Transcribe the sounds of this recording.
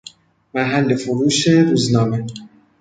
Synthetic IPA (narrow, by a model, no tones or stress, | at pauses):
mæɦælːefʊɾuːʃeɾuːznɒːme